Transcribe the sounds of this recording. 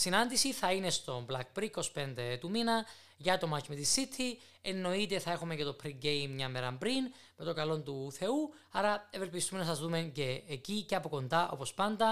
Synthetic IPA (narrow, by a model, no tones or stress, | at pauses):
sinɐnd̪isiθɐine̞st̪o̞mblɐk̚pɾiko̞spe̞nd̪e̞t̪uminɐ | ʝɐt̪o̞mɐcimet̪isːit̪ʰi | enːo̞it̪e̞θɐe̞xumece̞t̪o̞pʰɾiɟejmːɲɐmːeɾɐmpɾin | me̞t̪oŋɡɐlo̞nt̪uθe̞u | ɐɾɐeve̞lpist̪umenɐsɐzðume̞ce̞ːciceɐpo̞ko̞nd̪ɐʔo̞̰po̞spɐnd̪ɐ